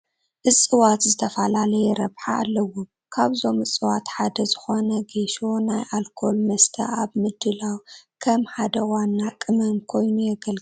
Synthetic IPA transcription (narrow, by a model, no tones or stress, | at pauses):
ʔɨsʼɨwat̪zɨt̪ʰɐfalalɐjɛɾɐβħaʔa̰lːɐwɔ | kʰaβzo̞mɨsʼɨwat̪ħad̪ɐzɨxo̞nɐɡeʃo̞najʔalkʰo̞lmɐst̪ʰɐ̰ʔaβmɨd̪ːɨlawkʰɐmħad̪ɐwanːakʼɨmɐmkʰo̞jnujɛɡɐlɡ